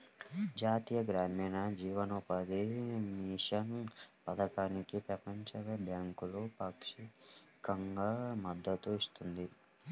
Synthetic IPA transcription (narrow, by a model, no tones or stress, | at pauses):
d͡ʒaːt̪iːjɐɡɾaːmiːnɐd͡ʒiːʋɐnupɐd̪imiʂɐnpɐd̪ɐkaːnikipɾɐpɐɲt͡ʃɐʋɐbʱjaːŋkulupɐkʂi | kɐŋɡamɐd̪ːɐt̪uist̪und̪i